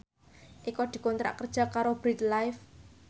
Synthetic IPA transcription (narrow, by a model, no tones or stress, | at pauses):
ʔikɔd̪̥i̤kɔnt̪ɾa̰ʔkərd̥ʒ̥a̤kaɾob̥ɾit̪̚lajf